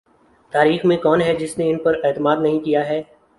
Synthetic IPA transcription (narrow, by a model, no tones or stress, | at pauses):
t̪aːɾiːxmẽkɔːnɦɛd͡ʒɪsneɪnpɐɾɛːt̪əmaːd̪nɐɦĩkijaɦɛː